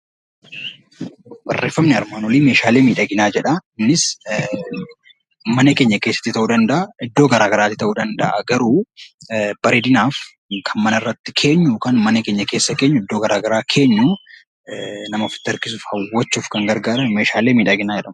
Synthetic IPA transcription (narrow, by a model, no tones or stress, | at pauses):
bɐrːe̞ːfːɐmnɪɐ̰ɾmaːnɔliːme̞ːʃaːleːmiːᶑɐɡɪnaːd͡ʒɛᶑɐnːɪs | mɐnɐke̞ːɲːɐke̞ːsːɐ̥t̪ːɪt̪ɐʔuːd̪ɐnd̪ɐʔɐʔɪd̪ːoːɡɐɾaːɡɐɾaːt̪ːɪt̪ɐʔuːd̪ɐnd̪ɐ̰ʔɐ̰ɡɐɾuː | bɐɾeːd̪ɪnaːf | kʰɐnmɐnɐɪrːɐt̪ːɪkʰe̞ːɲːuːkɐnmɐnɐkeːɲːɐke̞ːsːɐke̞ːɲːʊɪd̪ːoːɡɐɾaːɡɐɾaːkʰe̞ːɲːuː | nɐmɐfɪ̥t̪ːɐɾkɪs̬ʊfhɐwːɐt͡ʃːuːfkɐŋɡɐɾɡaːɾɐnme̞ːʃaːleːmiːᶑɐɡɪnaːd͡ʒɛᶑɐm